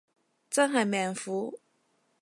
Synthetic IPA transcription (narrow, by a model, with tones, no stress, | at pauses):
t͡sa˥ŋxa˨˩ɪmjɛ˨˩nfu˧˥